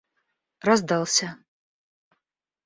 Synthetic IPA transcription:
razd̪alˠsʲa

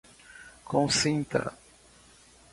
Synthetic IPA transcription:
kõw̃sĩnt̪ɐ̰

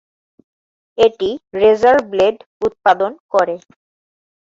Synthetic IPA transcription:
eʈiɾezaɾbleɖut̪̚pad̪onkoɾe

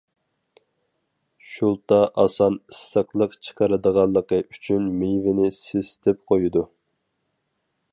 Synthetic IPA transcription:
ʃulˠt̪ɑʔɑsɑnisːəqlˠəqt͡ʃʰə̥qʰəɾɨd̪əʁɑlˠːəqəyt͡ʃʰynmejvɪnɪsest̪ʰɪp̚qʰojud̪u

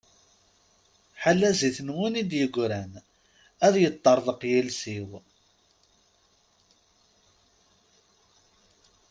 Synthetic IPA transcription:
ħalːæziθnwunid̪jəɡʷɾæn | æðjət̪ˤːɑɾˤðˤəqjælsiw

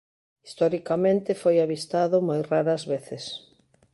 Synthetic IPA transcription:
ist̪ɔɾikamẽnt̪ɪfojaβist̪aðʊmojraɾɐzβeθɪs

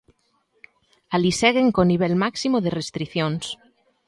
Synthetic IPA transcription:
alisɛɣ̞eŋkoniβ̞ɛlmaksimoðerest̪ɾiθjons

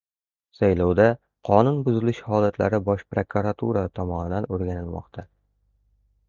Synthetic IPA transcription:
sajlɒwd̪a | qʰɒnʊnbʊzɪlɪʃhɒlat̪ʰla̰ɾɪbɒʃpɾokʰuɾat̪ʰuɾat̪ʰɒmɒnɪd̪anoɾɡʲanɪlˠmɒ̰qt̪ʰa

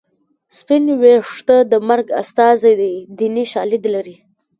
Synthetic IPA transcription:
spɪnweʂt̪əd̪əmaɾɡa̰st̪ɑzad̪ad̪iniʃɑlɪd̪laɾi

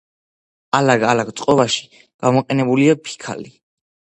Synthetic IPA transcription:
alaɡalaɡt̪sʼqʼɔbaʃi̥ | ɡ̥amɔqʼɛnɛbuliapʰi̥kʰa̰li

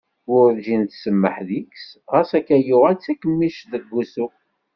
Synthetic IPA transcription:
ʊɾðʒint̪səmːəħðiksʁæsækːæjʊʁæt͡sːækːəmːiʃðəɡːusu

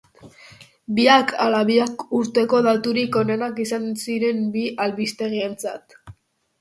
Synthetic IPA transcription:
biakʰalaβiakuɾt̪e̞ko̞ðat̪uɾiko̞ne̞nakisansiɾe̞mbiʔalβist̪e̞ɣie̞nt͡sa̰t̪

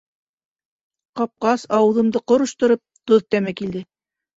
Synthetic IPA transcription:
qɑp̚qɑsɑwɤ̆ðɤ̆md̪ɤqoɾŏʃt̪ŏɾɤp̚t̪oðt̪æmækild̪ɘ

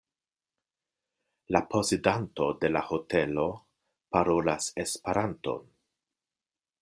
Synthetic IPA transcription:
lapo̞sedanto̞de̞laho̞te̞lo̞ | paɾo̞lase̞speɾanto̞̰n

